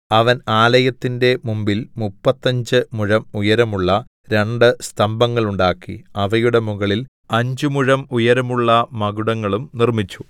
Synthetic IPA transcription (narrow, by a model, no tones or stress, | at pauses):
ɐʋɐnaːlɐjɐt̪ːinde̞mumbilmupːɐt̪ːɐɲd͡ʑɨmuɻɐmujɐɾɐmuɭːɐ | ɾe̞ɳɖɨst̪ʰɐmbɐŋːɐɭuɳɖaːkːḭɐʋɐjuɽe̞muɣɐɭil | ɐɲd͡ʑɨmuɻɐmujɐɾɐmuɭːɐmɐɡuɽɐŋːɐɭumnirmit͡ɕːu